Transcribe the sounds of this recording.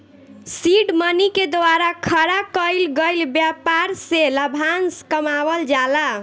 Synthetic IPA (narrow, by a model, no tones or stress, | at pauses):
siɖməniked̪waɾakʰəɾakəjlɡəjlbjapaɾseləbʱanskəmabəld͡ʒala